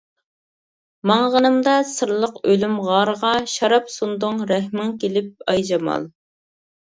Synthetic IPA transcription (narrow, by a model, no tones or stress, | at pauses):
mɑŋʁənɨmd̪ɑsɨɾlˠəqølymʁɑɾʁɑʃɑɾɑpsund̪ʊŋɾɛhmɪŋkʲelɪp̚ɑjd͡ʒɑmɑ̰lˠ